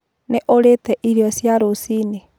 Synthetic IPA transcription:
neʔoɾetɛʔiɾiɔsjaɾosiːne

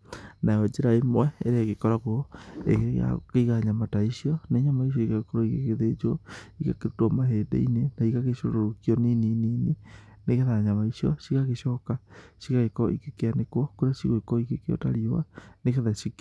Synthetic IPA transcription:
naɔd͡ʒeɾaemwɛeɾaeɣekɔɾaɣoḛa̰keiɣaɲamataisiɔneɲamaiʃ̬jɔiɣaɣekɔɾoikekeðed͡ʒuɔiɣakeɾotwɔmaheːdḛinenaiɣaɣeʃoɾoɾokiɔnininini | neɣeðaɲamaiʃiɔsiɣaɣeʃɔːkasiɣaɣekɔʔikekeanekwɔkoɾasiɣoikɔikekeɔ̰taɾiowa̰nekeðasik

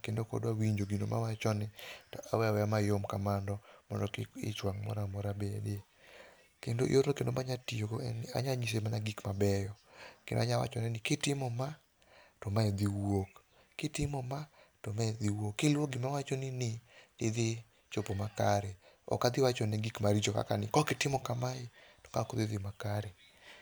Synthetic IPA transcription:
kendokɔ̰dwawiɲd͡ʒoɡinomʔa̰wat͡ʃɔnɛtɔʔawɛawɛjamajomkamandɔmɔndɔkɪ̰t͡ʃwaŋmɔ̰ɾamɔɾabede | kendoʔḭoɾnokendomaɲatijona̰ɲaɲis̬emanaɡikmabɛjɔkḛndo̰aɲawa̰t͡ʃɔnɛnɪkɪtɪmɔma | tɔmaɛd̪iwok | kɪtɪmɔmatomaɛd̪iwokːɪlwoɡɪmawat͡ʃɔnɪnɪɪðɪ | t͡ʃopomakaɾɛɔ̰kad̪ɪwat͡ʃɔnɛɡikmaɾit͡ʃoka̰kanɪkɔkɪtɪmɔkamaɪtɔ̥kakɔd̪ɪd̪ɪmakaɾɛ

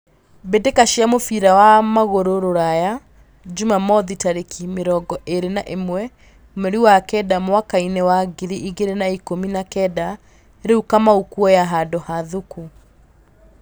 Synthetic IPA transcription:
bedekaʃiamofiɾawamaɣoɾoɾoɾaja | d͡ʒumamɔðitaɾekimeɾɔɡɔʔeɾenaʔemwɛ | meɾiwakɛdamwakainɛwaɡiɾiʔiɡeɾenaikominakɛda | eɾeukamaukuɔjaɦadohaðuku

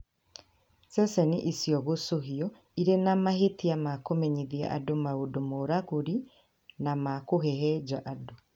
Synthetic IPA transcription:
sɛsɛniʔisijɔɣosoɦiɔ | iɾenamaɦetiamakomɛɲiðia̰ʔadomaodomoɾaɣoɾi | namakoɦɛɦɛd͡ʒaʔado

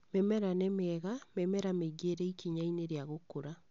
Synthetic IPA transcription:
mɛmɛɾanɛmɛːɣamɛmɛɾameɡeɾɛikiɲaineɾeaɣokoɾa

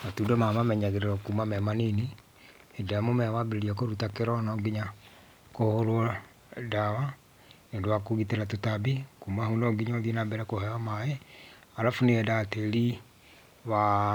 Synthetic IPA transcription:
matudɔmamamɛɲaɣeɾeɾɔkumamɛmanini | edamomɛmabeɾeɾiakoɾutakeɾɔnɔɡiɲa | kohoɾwɔ | dawa | nedwakuɣiteɾatutabikumahunɔɡiɲɔðinabɛɾɛkohɛamajɛ | aɾafuneɛdateli | βa

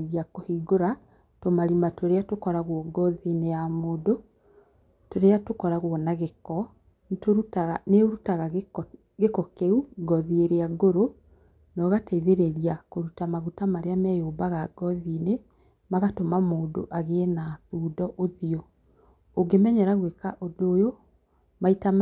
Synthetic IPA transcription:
ɣiakohiɡoɾa | tomaɾimatwoɾeatokɔɾaɣwɔɡɔðinejamoːdo | toɾeatokɔɾaɣwɔnaɣekɔ | ntoɾutaɣaneoɾutaɣa | ɣekɔkeuɡɔðieɾeaɡoɾo | nɔɣatɛiðeɾeɾiakoɾutamaɣutamaɾeamɛjobaɣaɡɔðiːne | maɣatomamoːdo̰ʔaɣenaðuːdɔʔoðiɔ | oɡemɛɲɛɾaɣwekaʔodojo | maita

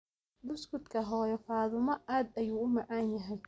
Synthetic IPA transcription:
bʊskʊd̪kʰɐɦɔːjɔfaːðʊmɐaːd̪ɐjuːʊmɑʕaːnjɐɦɛj

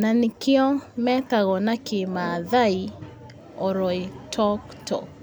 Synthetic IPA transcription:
nanikɪɔmɛt̪aɣɔnakʰɪmaðai | ɔɾɔitʰɔk | tʰɔ̰k

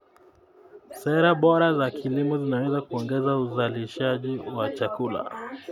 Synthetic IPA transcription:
sɛɾaɓɔɾazakʰilimɔzinawɛzakuɔŋɡɛzauzaliʃaʄiwat͡ʃakula̰

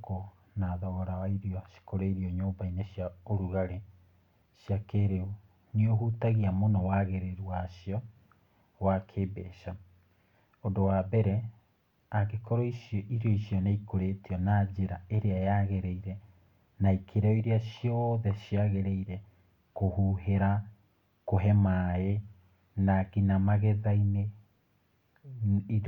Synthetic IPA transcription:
ko | naðɔɣɔɾawaiɾjɔʃi̥koɾeiɾiɔɲoːmbaineɕjaoɾuɣaɾe | ɕjakeɾeu | nioɦutaɣiamonɔwaɣeɾeɾwaɕiɔ | wakʰebḛʃa | ondowabɛɾɛ | akekɔɾɔiiɾjɔiʃjɔnaikoɾetiɔnad͡ʑeɾaeɾeajaɣeɾɛiɾɛ | naikʰeɾɛɔiɾeaɕjɔðɛʃjaɣeɾeiɾɛ | kohuɦeɾa | koɦɛmae | naɣinamaɣeðaine | i

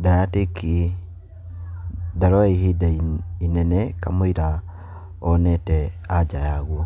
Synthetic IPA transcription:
daɾateki | daɾɔihidaiinɛnɛka̰moiɾa | ɔnɛtɛad͡ʒajaɣwɔ

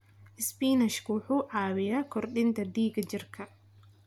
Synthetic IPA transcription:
ʔɪspiːnɐʃkʰʊwʊħuːʕɑːwɪjaːkʰɔrɗɪnt̪ʰɐd̪iːɡɐt͡ʃɪrkʰɐ

